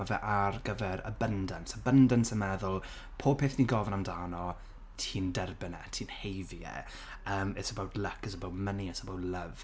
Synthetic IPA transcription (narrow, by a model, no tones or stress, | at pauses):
avɛʔarɡəvɛɾə̰bəndənsəbəndənsəmɛðʊlˠ | pʰoːb̥̚pʰeːθniɡɔvənamdaːnɔ | tʰiːndɛrbɪnɛ̰tʰiːnhejvjɛ̰ | əːmɪsəbawdləkəsəbawdməniəsəbowdləv